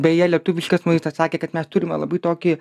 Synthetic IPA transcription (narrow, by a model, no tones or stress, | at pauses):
bʲɛjɛlʲɛt̪ʊʋʲɪʃʲkʲɐsmɐɪst̪ɐsɑːkʲeːkɐt̪mʲɛst̪ʊɾʲɪmʲɛ̰lˠɐbɐɪt̪oːkʲɪ